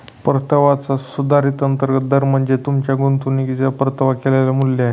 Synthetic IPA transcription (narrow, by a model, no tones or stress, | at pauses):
pəɾt̪əʋat͡sasud̪ʱaɾit̪ənt̪əɾɡət̪̚d̪əɾm̤əɳd͡zet̪umt͡ɕjaɡont̪unikit̪japəɾt̪əʋakeleljamuljaɦe